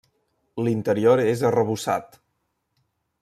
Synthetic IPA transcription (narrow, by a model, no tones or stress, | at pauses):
lint̪əɾioɾezərəβusa̰t̪